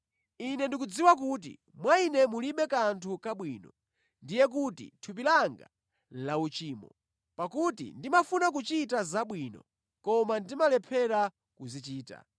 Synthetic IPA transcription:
inɛndikud͡ziwak̬ut̬ḭ | mwainɛmuliɓɛkantʰukaɓwiːnɔ | ndijɛk̬utḭtʰup̬ilaŋɡa̰ | laut͡ʃiːmɔ | pakutḭndimafunak̬ut͡ʃitazaɓwiːnɔ̰ | kɔmandimalɛpʰɛɾa | kuzit͡ʃiːta̰

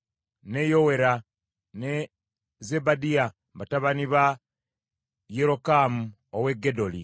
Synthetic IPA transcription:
nejowe̞ɾa | ne | zebadia | mbataβaniβa | jeɾo̞kamu | owe̞ɡedo̞li

